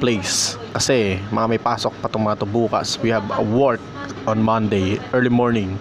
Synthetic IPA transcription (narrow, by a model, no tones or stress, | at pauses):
plejs | kɐsɛmɐŋamɐjpaːsok̚pɐt̪ʊŋmɐŋɐt̪ʊbuːkɐ̰swihɐbɐwɔɹk | ʔɔ̃nmɐ̃nd̪ejʔɛɹlimoɹnɪ̃ŋ